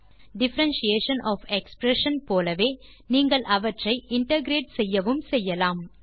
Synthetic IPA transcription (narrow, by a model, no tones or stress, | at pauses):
ɖɪfɐɾɐnʃieːʂɐnʔɔːfɛkspɾɛʂɐnpoːlɐʋeː | niːŋɡɐɭʔɐʋɐʈrɐɪʔɪɳʈɐɡɪɾeːʈsɛjːɐʋɯmsɛjːɐlaːm